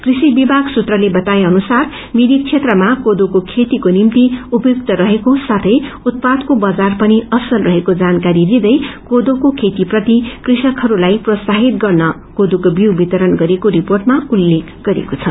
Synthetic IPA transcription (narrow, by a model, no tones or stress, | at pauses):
krisibibʱaɡsut̪rʌlebʌt̪ajeʌnusar | mid̪ik̚t͡sʰet̪rʌmakod̪okokʰet̪ikonimt̪iupʌjuk̚t̪ʌɾʌɦekosat̪ʰʌjut̪̚pad̪kobʌd͡zarpʌniʌsʌlrʌɦekod͡zankaɾilid̪ʌjkod̪okokʰet̪iprʌt̪ikrisʌkɦʌɾulajprʌsaɦit̪̚ɡʌrnʌ | kod̪okobiwbit̪ʌɾʌnɡʌɾekoɾiporʈmaulːekɡ̥ʌɾḛkot͡sʰʌ